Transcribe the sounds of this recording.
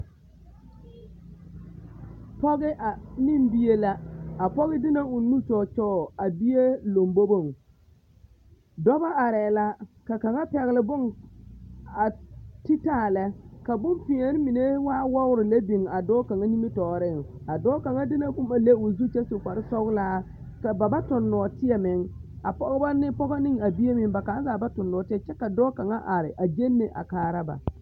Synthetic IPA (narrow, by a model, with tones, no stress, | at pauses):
pɔ˦ɣɪ˦ʔa˨nɪ˦mbi˦je˦la˦a˨pɔ˦ɣɪ˦dɪ˦na˨ʊ˨˦nu˦t͡ʃɔː˨t͡ʃɔː˦˨a˨bi˦je˦lo˨mbo˦bo˦˨ŋ˨ | dɔ˦ba˦ʔa˨ɾɛ˨la˦ka˨ka˨ŋa˦pɛ˨ɣɪ˨lɪ˨bʊ˦ŋ | a˨ti˦taː˦˨lɛ˦ka˨bʊ˦mpɪ˨ɛ˨˦ɾɪ˦mi˨ne˦waː˦wɔ˦ʊ˦ɾɪ˨le˦bi˨ŋa˨dɔː˦ka˨ŋa˦ni˦mi˦tɔː˨ɾɪ˦˨ŋa˨dɔː˦ka˨ŋa˦dɪ˦na˦kʊ˦ma˨le˦ʊ˨zu˦t͡ʃɛ˦sʊ˨kʷa˨ɾɪ˦sɔ˦ɣlaː˦ | ka˨ba˨ba˦tʊ˨nːɔ˨tɪ˦ɛ˨mɪ˨˦ŋ | a˨pɔ˦ɣba˦nɪ˦pɔ˦ɣa˦nɪ˦ŋa˨bi˦e˦mɪ˦ŋba˨ka˨˦za˨ba˦tʊ˨nːɔ˨tɪ˦ɛ˨˦t͡ʃɛ˦ka˨dɔː˦ka˨ŋa˦ʔa˨ɾɪ˨ʔa˨d͡ʒe˦nːe˨ʔa̰˨kaː˨ɾa˦ba̰˨